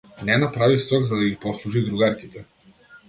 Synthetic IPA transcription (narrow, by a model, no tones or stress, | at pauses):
nɛnapɾavisɾɔɡzad̪aɡipɔslˠuʒid̪ɾuɡaɾkit̪ɛ